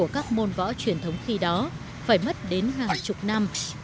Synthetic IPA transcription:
əkaː˦˥k̚mo˧nvɔ̰˧˥t͡ɕwi˨˩ənt̪ʰə˨˦wŋ͡mxi˧ɗɔ˨˦ | faː˧˩jmə˦˥t̚ɗe˨˦nɦaː˨˩ŋt͡ɕʊ˨˩k͡p̚na˧m

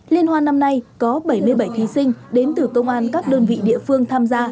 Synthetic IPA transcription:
li˧ənhwaː˧na˧mna˧jkɔ˨˦ɓə˧˩jmɨ˧əjɓə˧˩jt̪ʰi˨˦sï˧ŋ̟ɗe˨˦nt̪ɨ˧˩kə˧wŋ͡mʔaː˧nkaː˦˥k̚ɗəː˧nvḭ˧˨ɗḭ˧˨əfɨ˧əŋt̪ʰaː˧mzaː˧

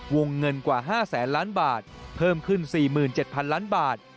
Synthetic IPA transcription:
wo˧ŋːɤ˧nkwaː˨˩ɦaː˥˩sɛː˩˦nlaː˦˥nbaː˨˩t̪̚pʰɤː˥˩mkʰɯ˥˩nsiː˨˩mɯː˨˩nt͡ɕe˨˩t̪̚pʰa˧nlaː˦˥nbaː˨˩t̪̚

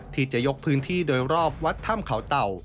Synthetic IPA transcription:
t̪ʰiː˧˩t͡ɕa˨˩ʔjo˦˥k̚pʰɯː˦˥nt̪ʰiː˥˩doː˧jɾɔː˥˩p̚wa˦˥t̪ʰːa˥˩mkʰa˩˦wt̪a˨˩w

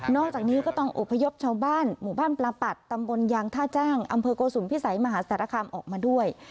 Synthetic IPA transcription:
nɔː˥˩k̚t͡ɕaː˨˩k̚niː˦˥kɔː˥˩t̪ɔ˥˩ŋʔo̰˨˩pʰːa˧jo˦˥p̚t͡ɕʰaː˧wbaː˥˩nmuː˨˩baː˥˩nplaː˧pa˨˩t̪ːa˧mbo˧njaː˧ŋt̪ʰaː˥˩t͡ɕaː˥˩ŋʔa̰˧mpʰɤː˧koː˧suː˩˦npʰi˦˥˩sa˩˦jma˧ɦaː˩˦sa˩t̪ʰːɾa˧kʰaː˧mʔɔː˨˩k̚maː˧du˥˩əj

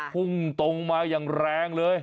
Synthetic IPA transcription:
ku˧˩ŋt̪o˨˧˩ŋmaː˨˧˩jaː˨˩ŋɾɛː˧ŋləː˨˧j

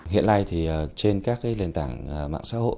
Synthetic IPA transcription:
hḭ˧˨ənla˧jt̪ʰi˨˩ə˨˩t͡ɕe˧nkaː˦˥k̚a˨˦jle˨˩nt̪aː˧˩ŋə˨˩ma̰ː˧˨ŋsa̰ː˧˥ho̰˧˨

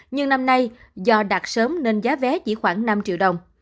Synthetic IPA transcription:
ɲɨ˧ŋna˧mna˧j | zɔ˧ɗaː˨˩t̚səː˨˦mne˧nzaː˨˦vɛ˨˦t͡ɕḭ˧˩xwaː˧˩ŋna˧mt͡ɕḭ˧˨əwɗə˨˩wŋ͡m

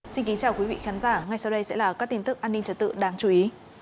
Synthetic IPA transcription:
si˧nki˨˦ŋt͡ɕaː˨˩wki˨˦vḭ˧˨xaː˨˦nzaː˧˩ŋa˨˩jsa˧wɗə˧jsɛ̰˧˥laː˨˩kaː˦˥k̚t̪i˧ŋt̪ɨ˦˥k̚ʔaː˧nːi˧ŋt͡ɕə˨˧t̚t̪ɨ̰˧˨ɗaː˨˦ŋt͡ɕu˧i˨˦

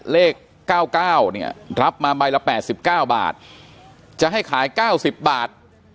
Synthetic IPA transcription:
leː˥˩kːaː˥˩wkaː˥˩wni˥˩ɐɾa˦˥p̚maː˧ma˧jla˧˥pɛː˨˩t̪̚si˨˩p̚kaː˥˩wba̰ː˨˩t̪̚ | t͡ɕa˨˩ʔɦa˥˩jkʰaː˩˦jkaː˥˩wsi˨˩p̚baː˨˩t̪̚

